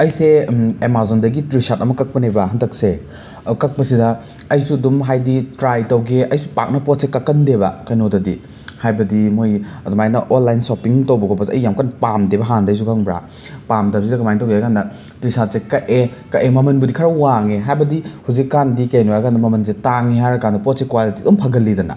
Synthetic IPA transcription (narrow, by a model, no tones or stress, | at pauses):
ɐjseemazondɐɡitɾisat̚ɐmɐkɐk̚pɐnejbɐɦɐntʰɐk̚se | kɐk̚pɐsidɐ | ɐjsudumɦajditɾajtɐwɡeʔɐjsupa̰k̚nɐpɔt̚sekɐkɐndeβɐ̰kɐjnodɐdi | hajbɐdimojɐdmajnɐʔonlajnsopiŋtɐwbɐkopɐsɐjːamkanpamdebɐɦandɐjsukʰɐŋbɾa̰ | pamdɐbs̬idɐkɐmajntɐwɡeajkʰandɐ | tɾisasekɐʔekɐʔemɐmɐnbɐdikʰɐɾɐwaŋeɦajbɐdihuzikːandikenoajkʰandɐmɐmɐns̬etaŋiɦajɾɐkandɐpɔt̚sekwalitidumpʰɐɡɐlːidɐnɐ̰